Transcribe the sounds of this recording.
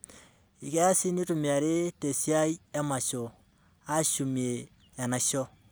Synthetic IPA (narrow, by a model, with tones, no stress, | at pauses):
i˨kɛ˦a˦si˦ni˦tu˨mi˨a˨ɾe˦te˨si˦a˦jɛ˦ma˨ʃɔ˨ | a˦ʃu˨mi˨e˨ | ɛ˨na˨ʃɔ˦